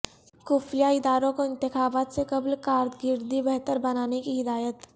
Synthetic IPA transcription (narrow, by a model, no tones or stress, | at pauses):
kuːfjaɪd̪aːɾõkoɪ̃nt̪ɪxaːbaːt̪sekɐblkaːɾd̪ɡɪɾd̪ibɛɦt̪əɾbɐnaːnekiɦɪd̪aːjət̪